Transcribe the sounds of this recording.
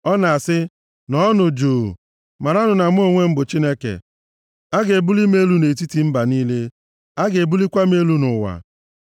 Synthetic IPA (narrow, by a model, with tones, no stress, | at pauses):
ɔ˦na˨a˨sɪ˦ | nɔ˦ɔ˦nʊ˨d͡ʒoː˨ | ma˨ɾa˦nʊ˨na˨m˦o˦ŋʷe˦m̩˦bʊ˨t͡ʃi˦ne˦kḛ˨ | a˦ɡe˨e˨bu˦li˦me˦lu˦ne˨t̬i˦ti˨m̩˦ba˨niː˦le˦ | a˦ɡe˨bu˦li˦kʷa˦m˦e˦lu˦nʊ˨wa̰˨